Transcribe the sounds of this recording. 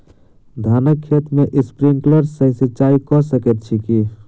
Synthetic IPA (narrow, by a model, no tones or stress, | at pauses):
d̪ʱanəkʰːet̪meʔispɾiŋkləɾsəɪsət͡ʃaikɔsəkɛt̪̚t͡ʃʰiki